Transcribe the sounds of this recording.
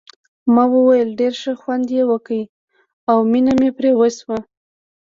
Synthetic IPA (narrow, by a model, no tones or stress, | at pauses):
mɑwəwajəlɖeɾʃəxwand̪jewəkəi | awminamepɾewəswa